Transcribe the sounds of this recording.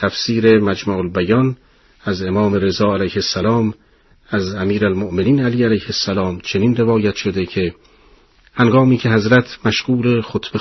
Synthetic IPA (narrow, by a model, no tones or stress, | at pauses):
t̪ʰæfsiːɾe̞mæd͡ʒmæːʔolbæjɒn | æze̞mɒːme̞ɾe̞zɒːælæjhesːælɒːm | æzæmiːɾælmoʔme̞niːnæliːælæjhesːælɒːmt͡ʃʰe̞niːnre̞vɒːjæt̪ʃo̞d̪ecʰe̞ | hæŋɡɒːmiːcʰe̞ɦæzɾæt̪ʰmæʃɡuːɾexot̪ʰb̥e